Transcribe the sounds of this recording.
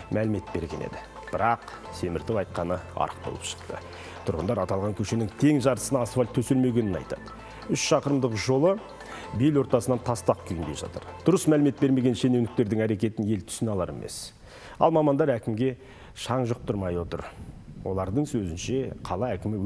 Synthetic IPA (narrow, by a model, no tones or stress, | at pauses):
mʔælɪme̞t̪̚be̞̰ɾɡʲe̞̰ne̞̰d̪ɪ | b̥ɪɾɑq | se̞mɪɾt̪ɪwɑjt̪̚qɑnəɑ̰ɾəq̚bo̞̰lˠəpʃə̥qt̪ə̰ | t̪ʰʊɾʁənd̪ɑɾɑt̪ɑlˠʁɑŋkʲʰɵʃe̞nɪŋt̪ʰe̞ŋʒɑɾt̪əsənɑːsvalʲt̪ʰːɵselme̞ɡʲe̞nɪnɑ̰jt̪ɑ̰d̪ə | ʏʃʃɑqəɾəmd̪əqʒo̞lˠə | belwo̞ɾt̪ɑsənɑnt̪ʰɑst̪ɑq̚kʲʰʏjnd̪e̞̰ʒɑ̰t̪əɾd̪̥ʊɾəsmælɪme̞t̪̚beɾme̞ɡʲe̞nʃe̞newnɪk̚t̪e̞ɾd̪ɪŋæɾe̞kʲe̞t̪ɪnje̞lt̪ʰʏ̥sɪnɑlˠɑɾe̞̰mʔḛs | ɑ̰lˠmɑmɑnd̪ɑɾækʲɪmɡʲe̞ | ʃɑɴʒʊq̚t̪ʰʊɾmɑjwo̞t̪ə̰ɾwo̞̰lˠɑɾd̪əɴsɵzɪnʃe̞qʰɑlˠɑækʲɪmɪw